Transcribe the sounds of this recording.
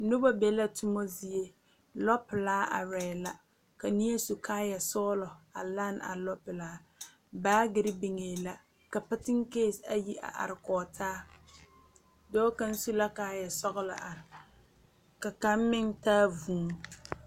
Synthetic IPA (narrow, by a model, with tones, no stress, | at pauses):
nʊ˦ba˦be˨la˦tʰʊ˦mo˦zi˦je˦ | lɔ˦pɪ˨laː˦ʔa̰˨ɾɛː˨la˦ | ka˨ni˦e˦su˨kʰaː˦jɛ˨sɔː˦lɔ˨a̰˨la˦na̰˨lɔ˦pɪ˨laː˦ | baː˦ɡɪ˦ɾɪ˦bɪ˨ŋeː˨la˦ | ka˨pa˦tɪ˦ŋ˦keː˦˨sa˦ji˦ʔa̰˨ʔa̰˨ɾɪ˨kɔː˨tʰaː˦ | dɔː˦ka˦n˦su˦la˦kaː˦jɛ˨sɔ˦ɣʊ˦la̰˨ʔa˨ | ka˨ka˦m˦mɪ˦ŋtaː˦vuː˨˦˨